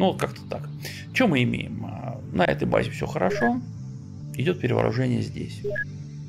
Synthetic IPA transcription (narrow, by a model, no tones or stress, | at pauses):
nuvot̪kakt̪ə̥t̪ak | t͡ɕɪomɨɪmʲejɪmə | nɐɛ̰t̪əjba̰zʲɪfsʲoxəɾɐʂo̞ | ɪdʲo̞t̪̚pʲɪɾʲɪvə̰ɾʊ̰ʐɛnʲɪjə̰zʲdʲesʲ